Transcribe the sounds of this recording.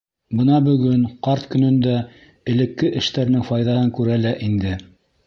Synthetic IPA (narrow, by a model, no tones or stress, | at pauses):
bɤ̆nɑbɵ̆ɡɵŋqɑɾt̪kɵ̆nɵ̆nd̪æ | ɘ̆lɘ̆kːɘʔɘ̆ʃt̪æɾnɘŋfɑjðɑhɤŋkʉɾælæʔind̪ɘ